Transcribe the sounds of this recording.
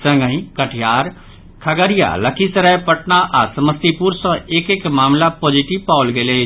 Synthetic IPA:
sə̃ŋɡəɦĩkəʈʰjaːɾ | kʰəɡəɾija̰ləkʰisəɾəjpəʈnaʔasəməst̪ipuɾsə̃eːkekmaːmlapoːd͡ʒiʈipaːʊlɡele

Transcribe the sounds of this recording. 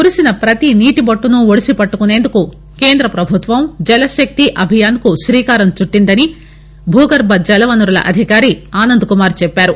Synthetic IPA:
kuɾisinɐpɾɐt̪iniːʈibɐʈːunuoɽisipɐʈːukune̞ːnd̪uku | ke̞ːnd̪ɾɐpɾɐbʱut̪ʋɐmd͡ʒɛlɐʃɐk̚t̪iʔɐbʱijaːnkuʃɾiːkaːɾɐmt͡ʃuʈːind̪ɐni | bʱuːɡɐɾbɐd͡ʒɐlɐʋɐnuɾɐlɐ̰ʔɐd̪ʱikaːɾiaːnɐnd̪ukumaːɾt͡ʃɛpːaːɾu

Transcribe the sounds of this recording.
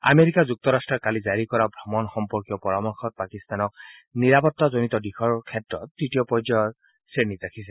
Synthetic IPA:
a̰meɹikazuk̚t̪ɔɹastɹɔɹkalizaɹikɔɹabʱɹɔmɔnxɔmpɔɹkijɔpɔɹamɔɹxɔt̚pakist̪anɔk̚ | niɹapɔtːazonitɔdixʰɔɹkʰɛtɹɔt̚ːitijɔpɔjd͡ʒɔ | senitɹakʰisɛ

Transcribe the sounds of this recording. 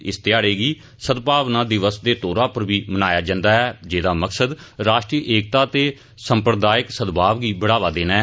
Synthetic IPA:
ɪst̪jaːɽeːɡiː | səd̪paːʋnaːd̪ɪʋəsd̪eːt̪oːɾãːpəɾbiːmənaːjaːd͡ʒãːnd̪aːɦɛːd͡ʒeːd̪aːməksəd̪ɾaːʃʈɾiːʔeːkt̪aːt̪eː | səmpɾəd̪aːɪksəd̪baːʋɡiːbəɽaːʋaːd̪eːnaː

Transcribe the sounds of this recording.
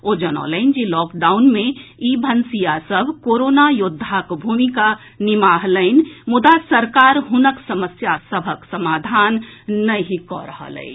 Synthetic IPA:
od͡ʒənɔ̰ləɪnd͡ʒilɔːkɖaʊnmẽibʱənsijasəbʱkoɾonajʊd̪ʱːakbʱumika | nimaɦləɪnmʊd̪asəɾkaːɾɦʊnəksəməsjasəbʱəksəmaːd̪ʱanːəɦikɔ̰ɾəɦə̰lə̰i

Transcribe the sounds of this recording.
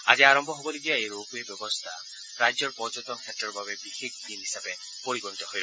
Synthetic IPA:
ad͡ʒiaɾɔmbʱɔɦobɔliɡijaeɾokuebjɔbɔst̪ʰa̰ | ɾad͡ʒjɔɾpɔd͡ʒɔt̪ɔŋkʰatɾɔɾɔbʱabebixekʰd̪inɦisabe | pɔɾiɡɔnit̪ɔɦɔjɾɔ

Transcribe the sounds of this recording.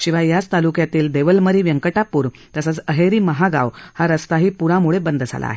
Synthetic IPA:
ɕĩʋajat͡st̪alukjat̪iːld̪eʋəlməɾiːʋjəŋkəʈapuːɾ | t̪əsət͡səɦeɾiːməɦaɡa̰ʋhaɾəst̪aɦiːpuɾãmuɭebənd̪d͡zʱa̰la̰ːɦe

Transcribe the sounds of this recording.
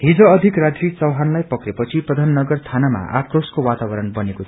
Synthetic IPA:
ɦid͡zʌːd̪ʱikrad̪rit͡sʌwɦanlajpʌkrepʌt͡sʰiprʌd̪ʱanːʌɡʌrt̪ʰanama̰ʔa̰kroskowat̪abʌɾʌnbʌnekot̪ʰ

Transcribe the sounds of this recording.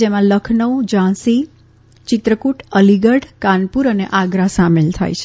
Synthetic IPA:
emãləkʰnəwd͡ʒãsi | t͡ʃɪt̪ɾəkuʈəliɡəɽkanpuɾəneʔaɡɾasamelt̪ʰa̰jt͡ʃʰe

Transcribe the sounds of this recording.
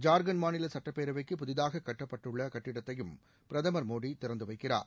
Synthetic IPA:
d͡ʒaːɾɡɐnmaːnɪlɐsɐʈːɐpːeːɾɐʋɐɪkːɯpʊðɪðaːɣɐkːɐʈːɐpːɐʈːɯɭːɐkɐʈːɪɽɐt̪ːɐjɯm | pɪɾɐðɐmɐɾmoːɽit̪ɪɾɐnd̪ɯʋɐɪkːɪra̰ːɾ

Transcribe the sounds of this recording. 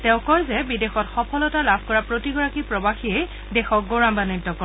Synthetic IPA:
tɛ̃ʊ̃kɔjzɛbidexɔtxɔpʰɔlɔtalabʱkɔɹapɹotiɡɔɹakipɹɔbaxiej | dɛxɔk̚ɡɔɹambanitːɔkɔ

